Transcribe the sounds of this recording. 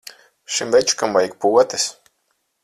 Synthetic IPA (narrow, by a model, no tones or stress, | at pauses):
ʃimvɛt͡ʃkambajik̚puɔt̪ɛs